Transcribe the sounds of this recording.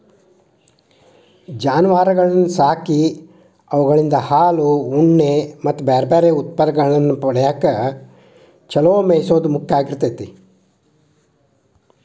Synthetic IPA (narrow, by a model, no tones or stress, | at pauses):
d͡ʒaːnuʋaːɾɐɡɐɭɐnːusaːki | ɐʋɐɡɐɭind̪ɐhaːluuɳːemɐt̪ːubeːɾɐbeːɾeːut̪̚pɐd̪ɐɡɐɭɐnːupɔɽɐjaːkːɐ | t͡ʃɐloːmejsoːd̪umukʰjaːɡiɾt̪ɐt̪e